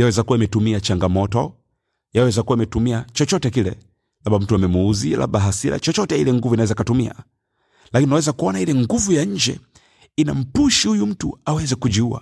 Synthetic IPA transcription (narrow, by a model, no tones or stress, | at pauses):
jawɛzakuwaimɛtumiat͡ʃaŋɡamɔtɔ | jawɛɛzakuwaimɛtumiat͡ʃɔt͡ʃɔtɛkilɛ | laɓam̩tuamɛmuuzilʔa̰ɓaɦasiɾa̰t͡ʃɔt͡ʃɔtɛilɛŋɡuvuinawɛzakatumia̰ | lakiniunawɛzakuɔnailɛŋɡuvujaɲ̩d͡ʒɛ | ina̰m̩puʃihujum̩tuawɛzɛkud͡ʒiua̰